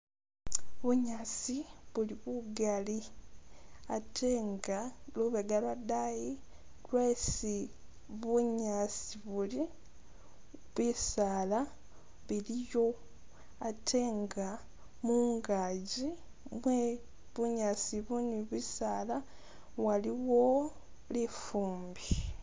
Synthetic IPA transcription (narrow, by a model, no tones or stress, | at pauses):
βuɲasiβuliβuɡali | atʰeːŋɡaluβeɡalwadaji | lweːsi | βuɲasiβuli | βwisaːla | βilijo̞ | atʰe̞ːŋɡa | muːŋɡaːɟi | mwe | βuɲaːsiβuniβwisaːla | waliwo̞ | lifuːmbi